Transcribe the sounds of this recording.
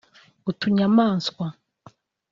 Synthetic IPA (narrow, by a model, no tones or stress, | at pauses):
utuɲamaːnskwa